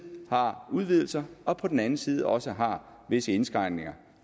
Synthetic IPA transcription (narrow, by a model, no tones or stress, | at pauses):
hɑ̈uðˠʋið̰ˠl̩sɐɒ̽pʰɒ̽d̥en̩ænn̩siːð̞ˠɒ̽səɦɑ̈ʋe̝səe̝nsɡ̥ʁɑ̈ɪ̰nne̝ŋɐ